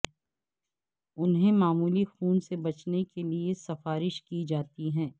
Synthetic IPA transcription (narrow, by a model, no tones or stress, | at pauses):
ʊnɦẽmaːmuːlixuːnsebɐt͡ʃnekeliesɐfaːɾɪʃkid͡ʒaːt̪iɦɛ̃ː